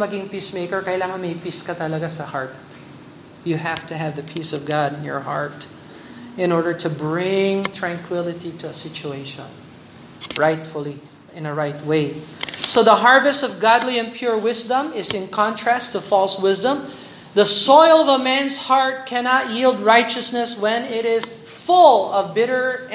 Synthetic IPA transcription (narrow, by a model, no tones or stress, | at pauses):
mɐɡɪ̃ŋpismeɪkəɹkɐjlaːŋɐnmejpiskɐt̪ɐlɐɡasɐhaɹt̪̚ | jɨɦæft̪ɨɦævðɐpʰisɔvɡadɪ̃njɔ̰ɹhɑ̰ɹt̪ | ɪ̃nɔɹdəɹt̪ʰɨbɹɪ̃ŋt̪ʰɹãŋkwɪlˠɪt̪it̪ʊɐsɪt͡ʃueɪʃɔ̰̃n | ɹaɪt̪fʊlˠi | ɨ̃nɨɹaɪt̚weɪsoʊðəɦɑɹvɨstʌvɡɑdˡliɨ̃npʰj̥ʊɹwɪzdə̃mɪzɨ̃nkʰɑ̃ntʰɹ̥æstʰɨfɔlˠswɪzdə̃m | ðəsɔɪlˠʌvəmæ̃nz̥hɑɹt̚kʰænɑt̚jilˠd̚ɹaɪt͡ʃɨsnɨswɛ̃nɪɾɪz̥ | fʊlˠʌvbɪɾə˞